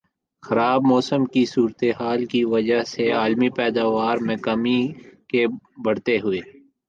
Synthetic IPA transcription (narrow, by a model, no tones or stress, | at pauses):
xɐɾaːbmɔːsəmkisuːɾt̪eɦaːlkiʋɐd͡ʒaɦseaːlmipɛːd̪aːʋaːɾmɛ̃ːkamikebɐɽt̪eɦʊeː